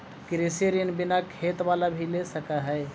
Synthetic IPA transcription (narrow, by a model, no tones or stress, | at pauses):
kɾesiɾinbinakʰet̪ʋalabʱilesəkaɦɛ